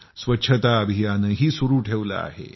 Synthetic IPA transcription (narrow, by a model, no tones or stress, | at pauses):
sʋɐtːɕʰət̪aəbʱijanəɦiːsuɾuːʈʰeʋla̰a̰ɦḛ